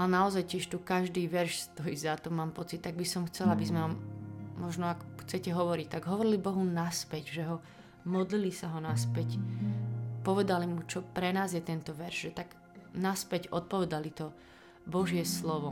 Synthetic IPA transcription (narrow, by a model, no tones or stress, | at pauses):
anaɔzajcɪɛʃt̪ukaʒd̪iːʋɛɾʃst̪ɔjiːzat̪ɔmaːmpɔt͡sit̪ːaɡ̚bisɔmxt͡sɛlabizmɛʋammɔʒnɔakxt͡sɛcɛɦɔʋɔɾict̪aɡɦɔʋɔɾilibɔɦunaspɛɟʒɛɦɔ | mɔd̪lilisaɦɔnaspɛc | pɔʋɛd̪alimut͡ʃɔpɾɛnaːzjɛt̪ɛnt̪ɔʋɛɾʒʒɛt̪aɡ̥ | naspɛcɔt̪̚pɔʋɛd̪alit̪ɔ | bɔʒɪɛslɔʋɔ